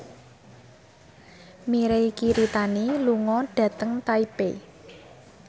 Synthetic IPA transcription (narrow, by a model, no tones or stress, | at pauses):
miɾejkiɾit̪aniluŋɔɖ̥ä̤t̪əŋt̪aipe